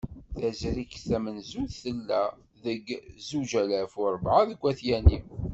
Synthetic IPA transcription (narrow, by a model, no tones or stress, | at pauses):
θæzɾikθæmənzuθθəlːæ | ðəɡzuʒælæfʊɾˤvʕaðəɡʷːæθjæni